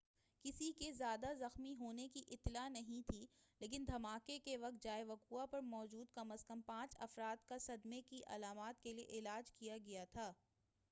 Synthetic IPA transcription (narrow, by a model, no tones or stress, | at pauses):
kɪsikezjaːd̪azɐxmiɦoːnekiʔɪt̪ːlanɐɦĩt̪ʰiːleːk̬ɪ̃nd̪ʱɐmaːkekeʋɐk̚t̪̚d͡ʒaːeʋɐkuːapɐɾmɔːd͡ʒuːd̪̚kɐməzkɐmpãːt͡ʃɐfɾaːt̪kasɐd̪mekiʔɐ̰laːmaːt̪keliḛʔɪlaːd͡ʒkijaɡɐjat̪ʰaː